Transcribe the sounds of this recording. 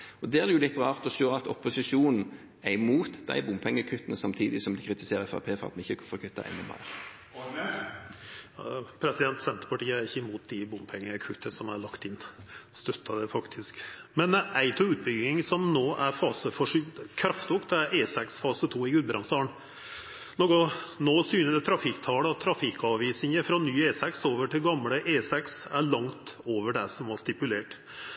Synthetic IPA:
ɔd̪ɛːæd̪ɛjʊlɪt̪ːʁɑːʁt̪ɔsøːʁɑt̪ɔpʊsɪʃuːnn̩ | æɪmuːt̪d̪æ̰ɪbʊmpʰɛŋːəkʰʉt̪ːənəsɑmt̪ʰiːd̪ɪsɔmd̪ɪkʰʁɪt̪ɪseːɾəfɔ̰pʰeːfɔ̰ʁɑ̰t̪mɛɪçːəkʰɑfɔkʰʉt̪ːɑ̰ʔɛ̰nːɔmæ̰ɪʁ | ɑpʰɾɛsɪd̪ɛnt̪sɛnt̪ɾəpʰɑʈiːəæɾɪçːəmuːt̪̚d̪ɪbʊmpʰɛŋːəkʰʉt̪ːəsɔmɑɾɭɑkt̪ɪnːst̪œt̪ʰːɑd̪ɛfɑkt̪ʰɪskmɛnæɪt̪ʰʊʉːt̪̚bʏɡɪŋsɔmnoːʔæɾfɑːsəfɔʂʏd̪kʰɾɑft̪ʊkt̪æɾʔeːsɛksfɑːsət̪ʰuːɪɡʉd̪bɾʔɑnst̪ɑːɳ | nokɔnoːsyːnəd̪ɛt̪ʰɾɑfɪkt̪ʰɑːləɑt̪ʰːɾɑfɪkːɑʋiːsɪŋəfɾɔnyːeːsɛksoːʋəʈʰɪlɡɑmːɽəʔeːsɛksæɭɑŋt̪oːʋəɖɛsɔmɑst̪ɪpʉleːʈ

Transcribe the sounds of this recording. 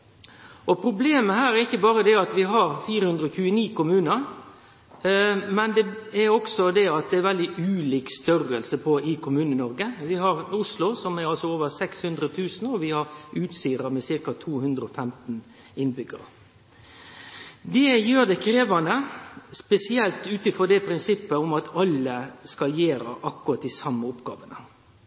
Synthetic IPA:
ʔɔpʰɾʊbleːməhæːɾæɾɪçːəbɑːɾəd̪ɛɑt̪ʋɪɦɑɾfiːɾəhʉnd̪ɾəɔçʉːəniːkʊmʉːnəɾ | mɛnd̪ɛɛɾɔksɔd̪ɛɑt̪̚d̪ɛæɾʋɛld̪ɪʔʉːliːkst̪œrəlsəpʰɔɪkʰʊmʉːnənɔɾɡəʋɪɦɑɾʊslʊsɔmæɾɑlsɔoːʋəɾsɛkshʉnd̪ɾət̪ʰʉːsn̩ɔʋɪhɑɾʉːt̪siːɾɑmɛsɪɾkɑt̪ʰuːhʉnd̪ɾəɔfɛmt̪n̩ | ɪnbʏɡə̰ɾ | d̪ɛjøːɾd̪ɛkʰɾeːʋɑnəspɛsɪɛlt̪ʉːt̪̩fɔɾd̪ɛpʰɾɪnsɪpːəɔmɑt̪ʰɑlːəskɑljeːɾɑ̰ʔɑkːʊɾɑt̪d̪ɪsɑmːəʊpɡɑ̰ːʋənə

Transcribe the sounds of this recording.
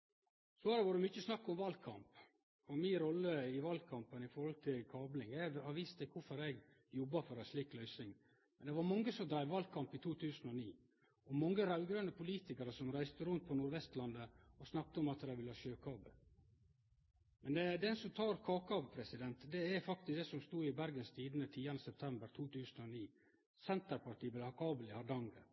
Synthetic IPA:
soɑɾɛʋɑɾəmʏt͡ʃːəsnɑkːɔmʋɑl̚kʰɑ̰mp | ɔminɾɔlːəɪʋɑlkʰɑmpənɪfɔɾhɔlt̪ʰɪlkʰɑːblɪŋjæhɑɾʋiːst̪ɛkʰʊfɔɾɛɡ | jɔbːɑfɔɾæsliːklœʏsɪŋ | mɛnd̪ɛʋɑɾmɑŋːəsɔmd̪ɾæɪʋɑlkʰɑmpɪt̪ʰuːt̪ʰʉːsənɔniː | ɔmɑŋːəɾɑʉɡɾønəpʰʊliːt̪ɪkɑɾəsɔmɾæɪst̪əɾʉnt̪̚pʰɔnuːɾʋɛst̪lɑnd̪əɔsnɑk̚t̪əɔmɑt̪d̪ɾæʋɪlːəɑːʃøːkʰɑːbə | mɛnd̪ɛd̪ɛnsɔmt̪ʰɑːɾkʰɑːkɑʋpʰɾɛsɪd̪ɛnt̪d̪ɛæfɑk̚t̪ɪsd̪ɛsɔmst̪uːɪbæɾɡənst̪ʰiːd̪ənət̪ʰiːɑnəsɛp̚t̪ʰɛmbəɾt̪ʰuːt̪ʰʉːsn̩ɔniː | sɛnt̪əɾpɑɾʈ̪iːbɛlɑkʰɑːbəlɪhɑɾɖɑŋɡə

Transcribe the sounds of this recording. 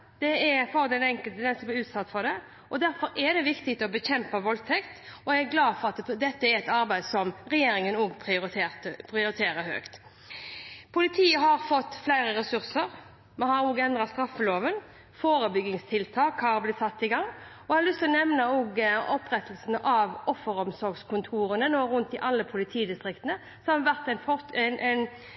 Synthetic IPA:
d̪̥ɛɛfɔɾəd̪ɛnɛŋkəlt̪əd̪ɛsɔblɪʉːt̪sɑt̪ːfɔd̪ɛ | ɔd̪æɾfɔɾɛɾd̪ɛʋɪkt̪ɪt̪ɔbəçɛmpəʋɔlt̪ʰɛkt̪ɔææɡlɑːd̪fɔɾɑt̪d̪ɛt̪ːəæɾɛt̪ɑɾbæɪd̪sɔmɾɛjeːɾɪŋənoːɡpʰɪʊpʰɾɪʊɾɪt̪ʰeːɾəɾhø̰ːkt̪ | pʰʊlɪt̪ʰiːəɦɑɾfɔt̪ːflæɪɾəɾɛsʉɾsəɾ | mɛnhɑɾoːɡɛnd̪ʁɑtst̪ɾɑfːəloːʋən | foːɾəbʏɡɪŋst̪ʰɪlt̪ʰɑːkhɑɾblɪsɑt̪ːɪɡɑŋːɔhɑlʏst̪ʰɪlɔnɛʋnəoːɡɔpːɾɛt̪əl̩sənəʔɑʋɔfːəɾɔmsɔɾɡskʰʊnt̪ʰuːɾənənoːɾʉnt̪̚d̪ɪʔɑlːəpʰʊlɪt̪ʰiːd̪ɪst̪ɾɪkt̪ənə | sɔɑʋæʁt̪ænfɔnʔn

